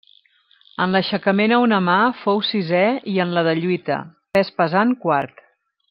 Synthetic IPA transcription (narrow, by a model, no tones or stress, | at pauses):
ənləʃəkəmenəunəmafowsizɛiənləðəʎuit̪ə̰pɛspəzankwaɾt̪